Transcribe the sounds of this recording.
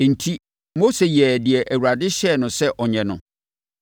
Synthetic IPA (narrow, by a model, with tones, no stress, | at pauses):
n̩˨tʰi˦ | mo˦se˨jɛ˨dɪ˨ɛ˨ʔæ˨wu˨ɾa˨dɪ˦ɕɛ˦˨nʊ̃˨sɛ˦ʔɔ˨ɲɛ̃˨nʊ̰̃˨